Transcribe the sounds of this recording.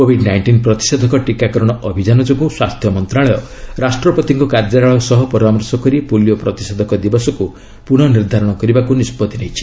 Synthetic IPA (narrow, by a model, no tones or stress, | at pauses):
kobʱiɖnajɳʈinpɾɔt̪i̥sed̪ʱɔkɔʈikakɔɾɔɽ̃ɔʔɔbʱid͡ʒanɔd͡ʒɔkuswast̪ʰjɔmɔnt̪ɾaɭɔjɔ | ɾasʈɾɔpɔt̪iŋkɔkaɾd͡ʒaɾaɭɔsɔɦɔpɔɾamɔɾsɔkɔɾipuljɔpɾɔt̪i̥sed̪ʱɔkɔd̪ibɔsɔku | puɽ̃ɔniɾd̪ʱaɾɔɽ̃ɔkɔɾibakunispɔt̪inejt͡ʃʰi̥